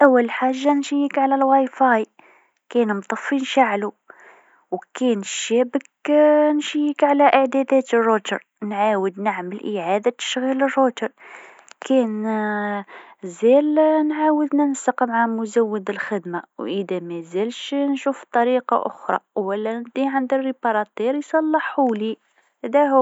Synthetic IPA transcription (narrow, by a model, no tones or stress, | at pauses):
ʔæwːəlħaʒːanʃijəkʕlælwajfɑj | kænmt̪ˤɑfːinʃaʕlu | wkænʃæbəknʃijəkʕlæʔəʕd̪æd̪æt̪ərːot̪əɾ | nʕawəd̪naʕməlʔəʕad̪at̪ə̥ʃɣilərːot̪əɾ | kʰæn | zælnʕawəd̪nənsəqmʕamʊzæwːəd̪əlxəd̪mawʔəd̪æmæzælʃnʃuft̪ˤɑɾiqɑ̰ʔʊ̰xɾˤɑ̰wəlːænd̪iʕənd̪ərːibɑɾˤɑt̪ˤiɾjsˤɑlːəħuli | hæd̪æhu